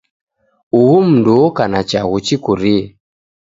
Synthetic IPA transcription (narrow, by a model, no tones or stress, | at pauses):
uɣum̩nduːkanat͡ʃaɣut͡ʃikuɾiɛ